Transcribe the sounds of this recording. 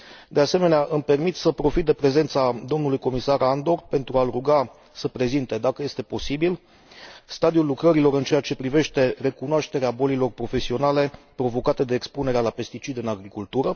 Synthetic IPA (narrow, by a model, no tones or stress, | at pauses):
d̪e̞ase̞me̞neaʔɨmpe̞rmit̪səpɾo̞fit̪̚d̪e̞pɾe̞ze̞nt̪sad̪o̞mnulujko̞misaɾand̪o̞rpe̞nt̪ɾualruɡa | səpɾe̞zint̪e̞d̪akəje̞st̪e̞po̞sibil | st̪ad̪iulːukɾəɾilo̞ɾɨnt͡ʃe̞jat͡ʃe̞pɾive̞ʃt̪e̞re̞kunoaʃt̪e̞ɾeabo̞lilo̞rpɾo̞fe̞sio̞nale̞pɾo̞vo̞kat̪e̞d̪e̞ːkspune̞ɾealape̞st̪it͡ʃid̪ɨnaɡɾikult̪uɾə